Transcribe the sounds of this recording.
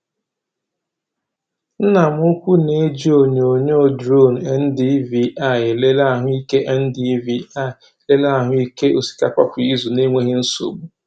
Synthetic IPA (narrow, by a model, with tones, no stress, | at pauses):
n̩˦na˨m˦ʊ˦kʷu˦ne˨˦d͡ʒi˦o˨ɲ˨o˨ɲe˦˨dɾo˦˨n̩˨e˦n̩˦di˦vi˨ʔa˦˨ɪ˨le˦la˦˨ɦʊ˦i˦ke˦ʔɛ˦n̩˦di˦vi˨a˦˨le˦la˦a˦˨ɦʊ˦i˦ke˦ʔo˨si̥˨ka˦kʷa˦kʊ˨i˦zu˨ne˦ŋʷe˦ɦe˦n̩˦so̰˨ɡ͡bu˦